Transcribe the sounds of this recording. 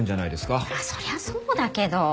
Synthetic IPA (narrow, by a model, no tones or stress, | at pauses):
ɲd͡ʑanaid̪e̞sɨ̥kaaso̞ɾe̞βasoːd̪ake̞d̪o̞